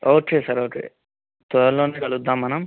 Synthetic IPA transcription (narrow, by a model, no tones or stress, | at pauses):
oːkeːsɐɾoːkḛː | t̪ʋɔɾɐlːoːneːkɐlud̪ːaːmːɐnɐm